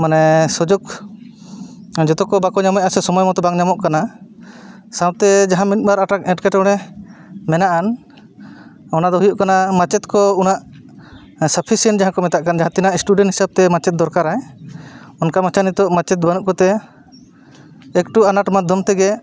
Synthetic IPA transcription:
manɛsɔd͡ʒɔɡ | d͡ʒɔt̪ɔkɔbakɔɲamɔj̚asɛsɔmɔjmɔt̪ɔbaŋɲamɔʔkana | sãwt̪ɛd͡ʒaɦãmit̪̚baɾaʈakɛ̃ʈkɛʈɔɽ̃ɛ | mɛnaʔan | ɔnad̪ɔɦujɔʔkanamat͡ʃɛt̪kɔunaʔ | sapʰisɛnd͡ʒaɦãkɔmɛt̪aʔkand͡ʒaɦãt̪inaʔisʈuɖɛnʈhisab̚t̪ɛmat͡ʃɛt̪̚d̪ɔɾkaɾaj | ɔnkamat͡ʃanit̪ɔʔmat͡ʃɛt̪̚banuʔkɔt̪ɛ | kʈuanaʈmad̪ʱɔmt̪ɛɡɛ

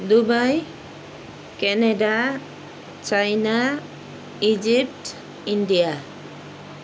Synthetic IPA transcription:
d̪ubaj | kɛneda | t͡ʃajna | id͡ʒip̚t | indija

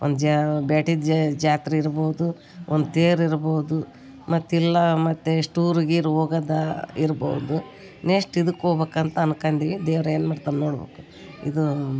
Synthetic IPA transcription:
ond̪ud͡ʒbaːʈid̪d͡ʒd͡ʒaːt̪ɾiiɾboːd̪u | ond̪ut̪eːɾiɾboːud̪u | mɐt̪ːilːɐmɐt̪ːesʈuːɾɡiːɾoːɡɐd̪ɐiɾbo̰ud̪u | neːʂʈid̪ukːoːbeːkɐnt̪ɐɐnkɐɳd̪id̪eːʋɾɐeːnmaːɖt̪annoːɽbḛːku | ḭd̪u

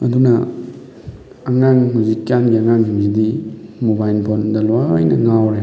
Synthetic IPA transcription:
ɐdunɐ | ɐŋaŋmuzikːjanɡiɐŋaŋɦimzidimubajlpʰondɐlajnɐŋawɾe

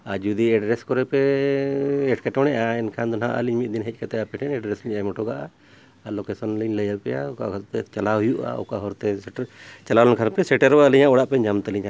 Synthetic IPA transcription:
ad͡ʒud̪iɛɖɾɛskɔɾɛpɛː | ʈkɛʈɔnɛʔaɛnkʰand̪ɔnɦa̰ʔa̰liɲmit̪̚d̪inɦɛc̚ˀkat̪ɛapɛʈʰɛnɛɖɾɛsliɲamɔʈɔɡaʔaː | lɔkɛsɔnliɲləjalpɛjauka̰ʔkʰat̪pɛt͡ʃalaɦujuʔa̰ɔ̰kaʔɦɔɾt̪ɛst͡ʃalalɔnkʰanpɛsɛʈɛɾbaliɲaʔɔɽaʔpɛɲamt̪əliɲa

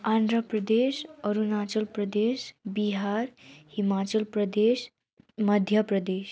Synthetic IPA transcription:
and̪ɾəpɾəd̪eɕəɾunat͡ɕəlpɾəd̪eʃbiɦaɾhimat͡ɕəlpɾəd̪eɕ | məd̪ʱjəpɾəd̪eɕ

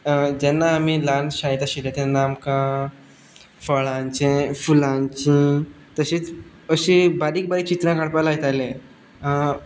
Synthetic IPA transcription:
d͡ʑɛnːaːmilanɕãjt̪aɕiɾat̪ẽnamkã | fəɭãɲt͡ɕẽfulãɲt͡ɕĩ | t̪əɕĩt͡s | əɕibaɾiːk̚baɾit͡ɕit̪ɾãkaɽpalajt̪ajlẽ | a

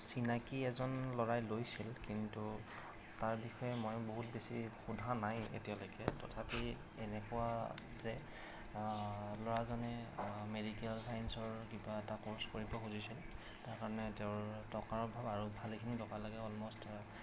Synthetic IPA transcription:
sinakiɛzɔnlɔɹajlojsilkintu | taɹbixɔjɛmɔjboɦut̚besḭxudʱanajḛtijalojkɛtɔ̰tʰapi | ɛnɛkʊa | zɛ | lɔɹazanɛmedikɛlsajnsɔɹkibaɛtakɔɹskoɹipɔxuzisil | taɹkaɹɔnɛtɛʊɹtɔkaɹɔbʱabaɹubʱalikʰinitɔkalaɡɛɔlmɔstaɹa

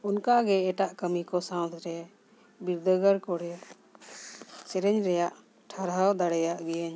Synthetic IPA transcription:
unkaɡɛɛʈaʔkəmikɔsãw̃t̪ɾɛ | biɾd̪əɡəɾkɔɾɛ | sɛɾɛɲɾɛjaʔ | ʈʰaɾɦawd̪aɽɛjaʔɡɛjaɲ

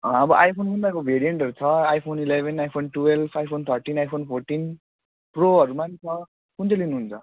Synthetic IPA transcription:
ʌbʌʔajpʰonbund̪akobʱeɾijeɳʈʌɾut͡sʰʌajpʰonilebʱenajpʰonʈuelbʰajpʰont̪ʰʌɾʈinajpʰonpʰoɾʈin | proʌɾumant͡sʰʌ | kunt͡selinuɦunt͡sʰʌ

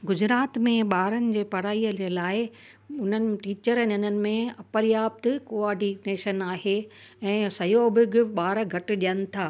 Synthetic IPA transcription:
ɡʊd͡ʑɾaːt̪mẽɓaːɾənɪ̆d͡ʑeːpɐɾaːiəd͡ʑelaːɪɪ | ʊn̤ənɪ̆ʈiːt͡ɕəɾənʊnənɪ̆mẽɐpəɾjaːp̚t̪koːaːɖineːʃənaːɦe | ɛ̃ːsɐjoːbɪɡɪɓaːɾəɡʱɐʈɪ̆ɗijənɪ̆t̪ʰaː

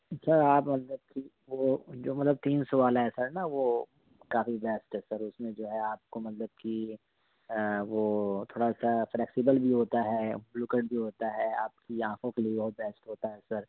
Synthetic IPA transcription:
sɐɾaːpmɐt̪ləb̚ki | ʋoːd͡ʒoːmɐt̪ləb̚t̪iːnsʊʋaːlɦɛsɐɾnaʋo | kaːfibɛːsʈɦɛsɐɾʊsmẽd͡ʒoːɦɛaːp̚komɐt̪ləb̚ki | ʋoːt̪ʰoːɽasaflɛːksibəlbʱiɦoːt̪aɦɛbluːkəɖbʱiɦoːt̪aɦɛa̰ːp̚kiãːkʰõkeliebɐɦʊt̪̚bɛːsʈɦoːt̪aɦɛsɐɾ

